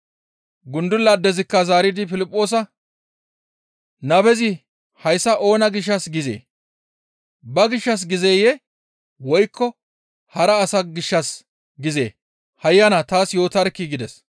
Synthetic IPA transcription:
ɡʊnd̪ʊlːɐd̪ːɛzɪkːɐzaːɾɪd̪ɪfɪlɪpʼːo̞ːs̬ɐ | nɐbɛzɪ | hɐjsːɐʔo̞ːnɐɡɪʃ̬ːɐsɡɪzḛː | bɐɡɪʃːɐs̬ɡɪzeːjɛ | wɔjkːɔ | hɐɾɐːsɐɡɪʃːɐs | ɡɪzḛː | hɐjːɐnɐt̪aːsjo̞ːt̪ɐɾkːiɡɪd̪ɛs

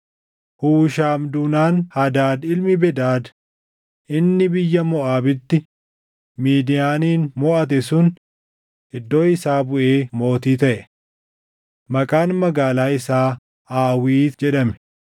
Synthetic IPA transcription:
huːʃaːmd̪ʊnaːnhɐd̪aːd̪ɪlmɪbɛd̪aːd̪ | ʔɪnːɪbɪjːɐmɔʔaːbɪt̪ːɪ | miːd̪ɪjaːniːnmɔʔɐt̪̬ɛsʊn | ɪd̪ːo̞ːɪsaːbʊʔeːmo̞ːt̪iːt̪ɐʔɛ | mɐkʼaːnmɐɡaːlaːɪsaː | aːwiːt̪d͡ʒɛᶑɐmɛ̥

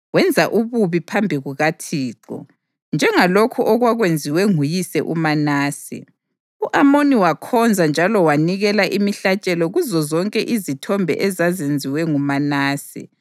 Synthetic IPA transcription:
wɛnd͡zʱaʔuβuβipʰambʱiɣuɣatʰiːǃɔ̰ | nd͡ʒʱɛŋalokʰuʔɔɣwaɣwend͡zʱiwɛŋujisɛʔṵmanaːsḭ | uʔamoniwakʰɔnd͡zʱand͡ʒʱalɔwaniɣɛlaʔimiɬat͡ʃʼɛlɔɣuzɔzɔŋkʼɛʔizitʰɔmbʱɛ̰ʔɛzazend͡zʱiwɛŋumanaːsḭ

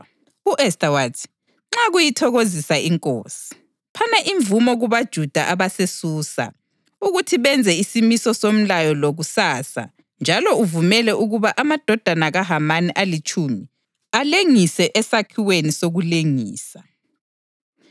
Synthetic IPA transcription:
uʔɛstʼawatʰ | ŋ͡ǁaɣujitʰɔɣozisaiŋkʼoːsi̥ | pʰanaʔiɱvumɔɣuβad̥ʒ̥ʱud̥ʱa̰ʔaβasesuːsa̰ | uɣutʰiβɛnd͡zʱɛisimisɔsom̩lajɔloɣusaːsa̰ | nd͡ʒʱalɔuvumɛlɛʔuɣuβaʔamad̥ʱɔd̥ʱanaɣaɦamaniʔalit͡ʃʼumi | aleŋisɛʔɛsakʰiwenisoɣuleŋiːsa

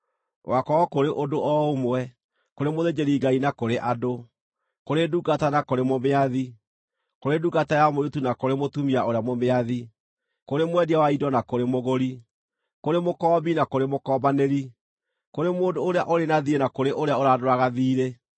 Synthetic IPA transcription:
wakɔɔkoɾeʔodoʔɔomwɛ | koɾemoðed͡ʒeɾiɡainakoɾeʔado | koɾeduɡatanakoɾemomeaði | koɾeduɡatajamoɾetunakoɾemotumiaoɾeamomeaði | koɾemwɛdiawaidɔnakoɾemoɣoɾi | koɾemokɔːbinakoɾemokɔbaneɾi | koɾemoːndoːɾeaʔoɾenaðienakoɾeʔoɾeaoɾadoɾaɣaðiːɾe

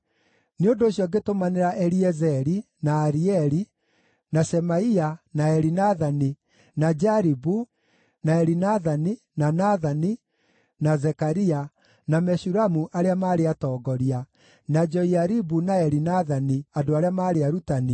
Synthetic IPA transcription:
neondoɕjɔɡetomaneɾaʔɛɾiɛzɛɾi | naːɾiɛɾi | nasɛmaianaɛɾinaðani | nad͡ʒaɾibu | naɛɾinaðani | nanaðani | nazɛkaɾia | namɛɕuɾamuʔaɾeamaːɾeatɔːɡɔɾia | nad͡ʒɔiaɾibunaɛɾinaðaniadoaɾeamaːɾeaɾutani

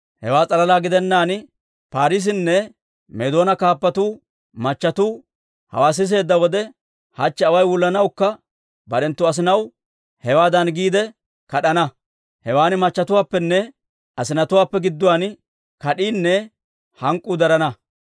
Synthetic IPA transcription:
hɛ̰waːt͡sʼɐlɐlaːɡɪd̪ɛnːaːn | paːɾɪs̬ɪnːɛ | mɛd̪o̞ːnɐkaːpːɐt̪uː | mɐt͡ʃːɐt̪uː | hɐ̰waːs̬ɪs̬e̞ːd̪ːɐwɔd̪ɛ | hɐt͡ʃːɛɐwɐjwʊlːɐnɐwkːɐ | bɐɗɛnt̪ːʊɐs̬ɪnɐw | hɛwaːd̪ɐnɡiːd̪ɛ | kɐɗɐnɐ | hɛwaːnɪmɐt͡ʃːɐt̪ʊwaːpːɛnːɛ | ɐsɪnɐt̪ʊwaːpːɛɡɪd̪ːʊwaːn | kɐɗiːnːɛ | hɐŋkʼːuːd̪ɐɾɐnɐ

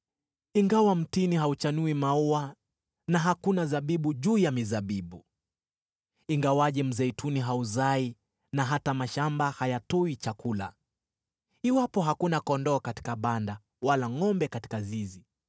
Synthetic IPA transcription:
iŋɡawam̩tiniɦaut͡ʃanuimaua | naɦakunazaɓiɓuʄuːjamizaɓiɓu | iŋɡawaʄɛm̩zɛitʰuniɦauzai | naɦatamaʃambahajatɔit͡ʃakula̰ | iwapɔɦakunakɔndɔːkati̥kaɓanda | walaŋɔmbɛkati̥kazizi

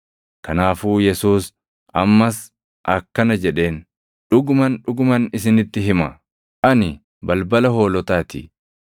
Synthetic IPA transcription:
kɐnaːfuːjɛsuːs | ɐ̰mːɐs | ʔɐkːɐnɐd͡ʒɛᶑe̞ːn | ᶑʊɡʊmɐnᶑʊɡʊmɐnɪsɪnɪt̪ːɪɦɪmɐ | ʔɐnɪ | bɐlbɐlɐho̞ːlɔt̪aːt̪ɪ̰

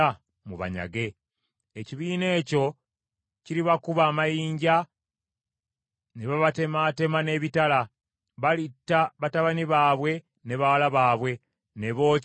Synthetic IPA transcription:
a | muβa̰ɲa̰ɡe̞ | eciβiːne̞ːco̞ | ciɾiβakuβaːmajiːɲɟa | neβaβatemate̞mane̞ːβitala | βalitːaβataβaniβaːβwe̞ | ne̞βawalaβaːβwe̞ | ne̞βo̞ː

